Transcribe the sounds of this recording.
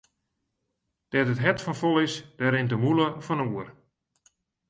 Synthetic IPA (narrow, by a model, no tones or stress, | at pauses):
d̥ɛtətɦɛtfɔnfolˠɪsd̥ɛɾɪntəmuləfɔnuər